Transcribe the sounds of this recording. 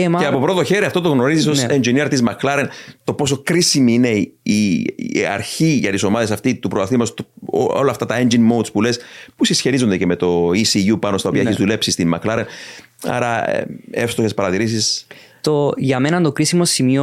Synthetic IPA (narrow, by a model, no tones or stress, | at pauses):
eeɐpo̞pɾo̞t̪o̞çe̞ɾiɐft̪o̞t̪o̞ɣno̞ɾizisosend͡ʒiniɾt̪izmɐklɐɾent̪o̞po̞so̞kɾisimiine̞iɐ̰ɾçiʝɐt̪iso̞mɐðe̞sɐft̪it̪upɾotɐθimɐst̪oo̰olɐft̪ɐt̪ɐe̞nd͡ʒinmowt̪spulespusisçeɾizond̪eceme̞t̪o̞isijupɐnost̪ɐo̞piɐeçizðulepsist̪immɐ̰klɐɾen | ɐ̰ɾɐ̰efst̪oçe̞spɐɾɐt̪iɾis̬is | t̪oʝɐmenɐnt̪okɾisimosimio